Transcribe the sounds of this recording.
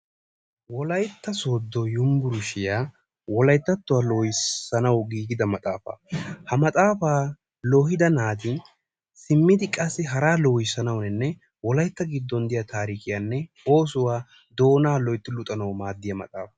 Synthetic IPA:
wɔlɐjt̪ːɐso̞ːd̪ːɔjʊmbʊɾʊʃɪjaː | wɔlɐjt̪ːɐt̪ːʊwaːloːjɪsːɐnɐwɡiːɡɪd̪ɐmɐt̪ʼaːfɐ̰hɐmɐt̪ʼaːfaː | loːɦɪd̪ɐnaːd̪ɪn | sɪmːɪd̪ɪkʼɐsːɪɦɐɾaːloːjɪsɐnɐwnɛnːɛ | wɔlɐjt̪ːɐɡɪd̪ːɔnd̪ɪjat̪ʰaːɾiːkɪjaːnːɛ | o̞ːs̬ʊwaː | d̪o̞ːnaːlɔjt̪ːɪlʊt̪ʼːɐnɐwmaːd̪ːɪjɐmɐ̰t̪ʼa̰ːfɐ̥

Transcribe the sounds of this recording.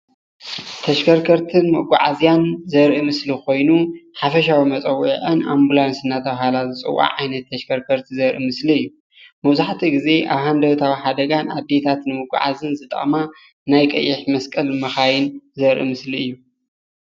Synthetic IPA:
t̪ʰɐʃkʰɐɾkʰɐɾt̪ʰɨnmɐɡʷa̰ʕa̰zjanzɐɾʔimɨsliko̞jnuħafɐʃawimɐt͡sʼɐwːiʕɨnʔa̰mbulansɨnːat̪ʰɐβɦalazɨt͡sʼɨ̰wa̰ʕajnɐt̪ʰːɐʃkʰɐɾkʰɐɾt̪ʰizɐɾʔḭmɨsliɨjːu | mɐβzaħt̪ʰiɡize̞ʔaβhand̪ɐwt̪ʰawiħad̪ɐɡana̰d̪ːe̞t̪ʰat̪nɨmɨɡʷa̰ʕa̰zɨnzɨt̪ʼɐ̰χʼma | najkʼɐ̰jːɪħmɐskʼɐlmɐxajɪnzɐɾʔḭmɨsliɨjːu

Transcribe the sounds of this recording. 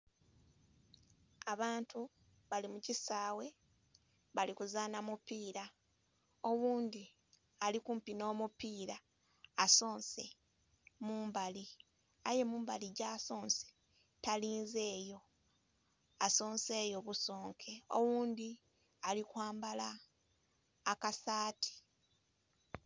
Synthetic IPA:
aβaːntu | βalimucisaːwe̞ | βalikuzaːnamupiːɾa | owuːnd̪i | alikuːmpino̞ːmupiːɾaː | so̞ːnse̞ | muːmbali | aje̞muːmbaliɟaːso̞ːnse̥ | taliːnze̞ːjo̞ | aso̞ːnse̞ːjo̞βuso̞ːŋkʰe̞o̰wuːnd̪i | alikwaːmbala | kasaːtʰi̥

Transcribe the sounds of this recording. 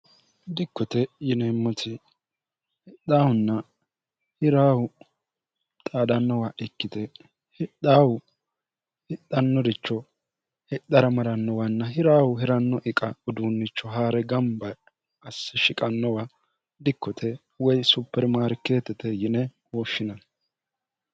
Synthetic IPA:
d̪ɪkːɔt̪ɛjɪnɛmːɔt̪ɪ | hɪɗaːwʊnːɐ | hɪɾaːwʊ | t̪ʼaːd̪ɐnːɔwaʔɪkːɪt̪ɛ | hɪɗaːwʊ | hɪɗːɐnːɔd̪ɪt͡ʃːɔ | hɪɗːɐɾɐmɐɾɐnːɔwɐnːɐɦɪɾaːwʊɦɪɾɐnːɔʔɪkʼɐɔd̪unːɪt͡ʃːɔɦaːɾɛɡɐmbɐ | ɐsːɪʃɪkʼɐnːɔwa | d̪ɪkːɔt̪ʰɛ | wɔjsʊpːɛɾmaːɾke̞ːt̪ːɛt̪ɛjɪnɛ | wɔːʃːɪnɐ

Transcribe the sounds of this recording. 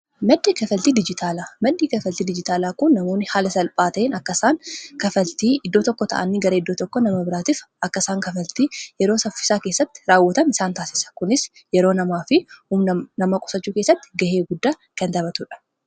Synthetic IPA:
mɐᶑ̪ːiːkɐfɐlt̪iːd̪ɪd͡ʒɪt̪ʰaːlaːmɐᶑːiːkɐfɐlt̪iːd̪ɪd͡ʒɪt̪aːlaːkʊnːɐmo̞ːnːɪhaːlɐsɐlpʼaːt̪ɐeːnɐkːɐsaːŋkɐfɐlt̪iːʔɪd̪ːo̞ːt̪ɔkːɔt̪ɐ̰ʔɐnːɪɡɐɾɐɪd̪ːoːt̪ɔkːɔnɐmɐbɪɾaːt̪iːfʔɐkːɐsaːŋkɐfɐlt̪iːjɛɾo̞ːsɐfːɪ̥saːke̞ːsːɐt̪ːɪ̥ɾaːwːɐt̪ɐnɪsaːnt̪aːsɪ̥sɐ̥kʊnɪs | jɛɾo̞ːnɐmaːfɪhumnɐnɐmakʼɔ̥sɐt͡ʃːuːke̞ːsːɐt̪ːɪ̥ɡɐhe̞ːɡʊd̪ːaː | kɐnt̪ɐbɐt̪ʊᶑɐ̥

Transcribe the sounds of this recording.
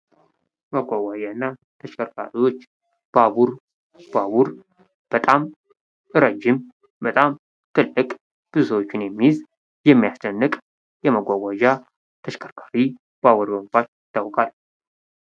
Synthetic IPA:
məɡʷaɡʷaʒaɨnːa | t̪ʰəʃkʰəɾkʰa̰ɾiwo̞t͡ʃː | b̥aβuɾ | b̥aβuɾ | b̥ət̪ʼam | ɨɾəd͡ʒːɪm | bət̪ʼam | t̪ʰɨlːɨkʼ | b̥ɨzsəwot͡ʃːɪnjɛmːiz | jɛmːijast͡ʃ̪ənːɨkʼ | jɛməɡʷaɡʷaʒa | t̪ʰəʃkʰəɾkʰaɾi | b̥awɔɾəmfat̪jɪt̪ʰːawkʼal

